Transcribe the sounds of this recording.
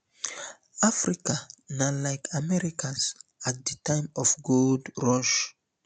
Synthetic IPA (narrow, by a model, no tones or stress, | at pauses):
afɹikanalaɪkʰamɛɹikʰãnsat̚d̪ətʰãɪ̃mɔfɡuldɹɔʃ